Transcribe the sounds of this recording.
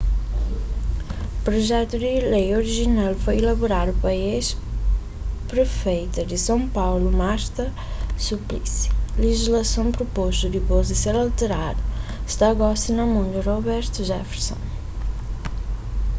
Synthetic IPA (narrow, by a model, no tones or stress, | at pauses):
pɾuʒɛt̪ud̪ɪlejoɾiʒinalˠfojilɐβuɾaɾupɐeʃ | pɾɨfejt̪ɐd̪ɪsɐ̃w̃pawlumaɾt̪ɐ | suplḭsi̥liʒiʒlɐsɐ̃w̃pɾupoʃt̪ud̪ɨpozɨseɾalˠt̪ɨɾaðuʃt̪aɣɔsinɐmũnd̪uɾɔβɛɾt̪uʒɛfeɾsõ̰